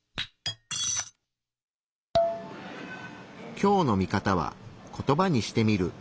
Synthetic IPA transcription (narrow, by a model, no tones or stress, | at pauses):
kʲo̞ːno̞mʲikat̪aβ̞a̰ko̞t̪o̞baɲ̟iɕi̥t̪e̞mʲiɾɯ̟